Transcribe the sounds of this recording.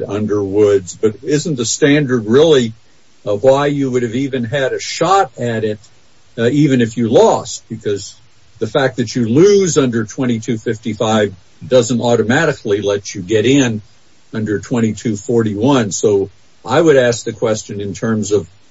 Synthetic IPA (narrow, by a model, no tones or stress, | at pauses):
ʌ̃ndə˞wʊdzbʌɾɪz̃n̩ðɨstæ̃ndə˞d̚ɹɪlˠi | waɪjɨwʊɾɨvivɨ̃nɨɾɨʃɑɾɨɾɪt̚ | ivɨ̃nɨfjɨlɔst̚b̥ɨkʰʌz | ðɨfæk̚ðɨt͡ʃɨlʉzʌ̃ndə˞tʰw̥ɛ̃ɾ̃itʰʉfɪftifaɪv | dʌzɨ̃ntɔɾɨmæɾɨkʰlilɛt͡ʃɨɡɛɾɪ̃n | ʌ̃ndə˞tʰw̥ɛ̃ɾ̃itʰʉfɔɹɾiwʌ̃nsoʊ | ʔaɪwəɾæsk̚ðɨkʰw̥ɛst͡ʃɨ̃nɨ̃ntʰɜ̃˞mzʌv̥